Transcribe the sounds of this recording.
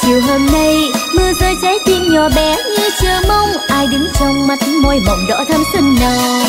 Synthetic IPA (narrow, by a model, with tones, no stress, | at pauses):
t͡ɕi˨˧˩wɦoː˧mna˧jmɨ˧əzəː˧jt͡ɕɛ˨˦t̪i˧nɲɔ˨˩ɓɛ˨˦ɲɨ˧t͡ɕɨː˨˩mə˧wŋ͡mʔaː˧jɗɨ˨˦ŋzɔ˧wŋ͡mma˨˦˥t̚mɔ˧˩jɓə̰˧˨wŋ͡mɗɔ̰˧˥t̪ʰa˧msə˧˩ŋnəː˨˩